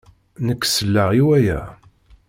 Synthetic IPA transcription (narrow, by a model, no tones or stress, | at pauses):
nəkːsəlːaʁiwæjæ̰